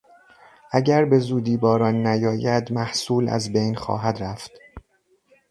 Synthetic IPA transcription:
ʔæɟæɾbe̞zuːd̪iːbɒːɾɒːnːæjɒːjæd̪mæhsuːlæ̰zbejnxɒ̰ːɦæd̪ɾæft̪

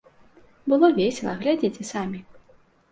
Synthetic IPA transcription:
bɨlˠɔvʲeɛsʲɛlˠɐ̰ɣlʲad͡zʲet͡sʲɛsamʲi

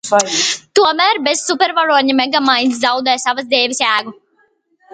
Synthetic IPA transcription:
t̪uɔmæːɾbɛzːupʲɛɾvaɾuɔt̪ɲʲimɛɡamajnʲs̬zawd̪ɛjsavəsd̪eːvisʲæːɡu

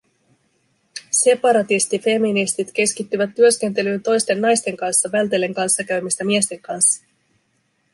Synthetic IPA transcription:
se̞pɑɾɑt̪ist̪ife̞minist̪it̪k̟e̞skit̪ːyʋæt̪ːyø̞sk̟e̞nt̪̬e̞lyːnt̪o̞jst̪e̞nːɑjst̪e̞ŋkɑnsːɑʋælt̪e̞lːe̞ŋkɑnsːɑkæɥmist̪æmie̞st̪e̞ŋkɑnsːɑ̥

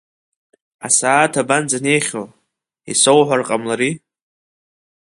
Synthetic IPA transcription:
asaːtʰaband͡zane̞jχʲo | ḭso̞wħʷarqʼamlaɾi

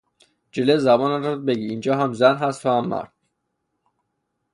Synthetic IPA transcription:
d͡ʒelezæbɒːnænɾobeɡiːnd͡ʒɒːɦæmzænɦæst̪ʰohæmːæ̰ɾd̪̥̚

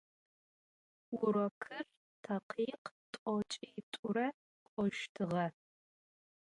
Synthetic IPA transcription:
ʊɾɔkʰɨr | tʰɐqʰiːqtʼɔt͡ʃʼitʷʼʊɾɐ | qʷʼɔʃtʰɨʁɐ

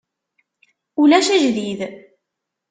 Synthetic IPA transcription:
ulæʃæʒðið

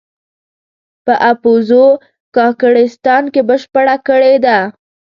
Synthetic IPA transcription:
pəʔapozo | kɑkəɽɪst̪ɑnkebəʃpəɽakəɽed̪a

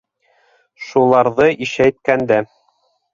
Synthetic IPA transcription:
ʃulˠɑɾðɤʔiʃæjt̪̚kænd̪æ

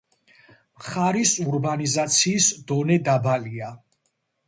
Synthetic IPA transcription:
mχaɾisuɾbanizat̪sʰiːsd̪ɔnɛd̪abalia

